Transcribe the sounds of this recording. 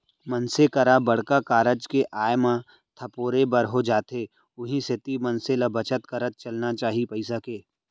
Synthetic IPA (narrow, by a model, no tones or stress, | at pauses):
mɐnsekɐɾabɐɽ̤kakaːɾəd͡ʒkeʔaːjmã | t̪ʰɐpoːɾebɐɾɦod͡ʒaːt̪e | ʊɦĩset̪imɐnselɐbɐt͡ʃət̪kɐɾət̪̚t͡ʃɐlnat͡ʃaːɦipɐɪsakeː